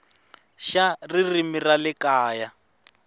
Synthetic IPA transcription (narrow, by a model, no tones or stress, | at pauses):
ʃaririmiralɪkaːja